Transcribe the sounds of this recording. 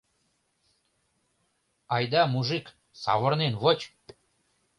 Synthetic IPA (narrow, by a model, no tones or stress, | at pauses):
ɑjd̪ɑmuʒɨk | sɑ̰βɤ̆rnenβot͡ɕ